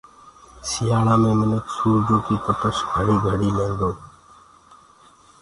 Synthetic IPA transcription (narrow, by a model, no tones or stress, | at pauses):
sijaːɽaːmẽːmɪnek̪suːɾd͡ʒoːkiːt̪əpəʃɡʱəɽiːɡʱəɽiːlẽːnd̪oː